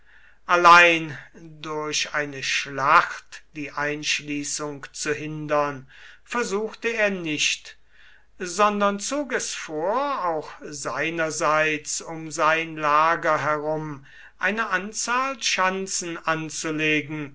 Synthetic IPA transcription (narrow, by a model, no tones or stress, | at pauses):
ʔalaɪndʊɐɕaɪnəʃlaxtd̥iːʔaɪnʃliːsʊŋkt͡suɦɪndɐnfɛɐzuːxtəeːɐnɪʃt | zɔndɐnt͡soːkɛsfoːɐaʊxz̥aɪnɐzaɪt͡sʊmzaɪnlaːɡɐɦɛʁʊm | ʔaɪnəʔant͡saːlʃant͡sn̩ʔant͡suleːɡŋ̩